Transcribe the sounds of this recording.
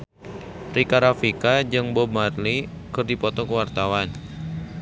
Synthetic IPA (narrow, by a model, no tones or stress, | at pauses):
rikaɾafikad͡ʒɨŋbɔbmarli | kɨrdipɔt̪ɔkəwart̪awan